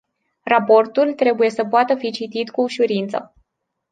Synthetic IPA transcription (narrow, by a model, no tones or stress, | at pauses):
rapo̞rt̪ult̪ɾe̞buje̞səpoat̪əfit͡ʃit̪it̪kuːʃuɾint̪sə̰